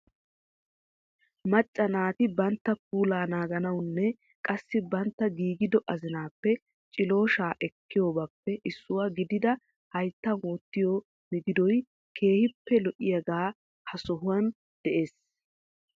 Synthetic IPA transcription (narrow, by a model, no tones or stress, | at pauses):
mɐt͡ʃʼːɐnaːt̪ɪbɐnt̪ːɐk̚uːlaːnaːɡɐnɐwnːɛ | kʼɐsːɪbɐnt̪ːɐɡiːɡɪd̪ɔʔɐzɪnaːpːɛ | t͡ʃʼɪlo̞ːʃaːʔɛkːɪjoːbapːɛʔɪsːʊwaːɡɪd̪ɪd̪ɐ | hɐjt̪ːɐnwɔːt̪ːɪjɔ | mɪɡ̪ɪd̪ɔj | kʰe̞ːhɪpːɛlɔʔɪjɐɡaː | hɐsɔɦʊwɐn | d̪̥ɛʔe̞ːs